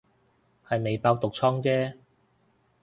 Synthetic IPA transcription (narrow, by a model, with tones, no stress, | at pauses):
hɐ˨jme˨jpaː˧wt̪ʊ˨k̚t͡sʰɔː˥ŋt͡sɛː˥